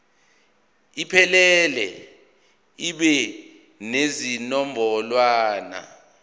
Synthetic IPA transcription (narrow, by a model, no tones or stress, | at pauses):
ipʰɛlɛlɛ̰ | iɓɛ | nezinɔmbʱɔlwaːna̰